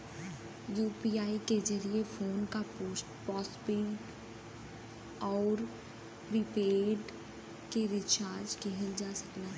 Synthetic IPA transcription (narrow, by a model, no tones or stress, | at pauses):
juːpiːaːiked͡ʒɐɾiefʰoːnka | pɔːsbɪ | ɔːɾ | pɾipeːɾɖ | keɾɪt͡ʃaːɾd͡ʒkeɦəld͡ʒaːsɐklaː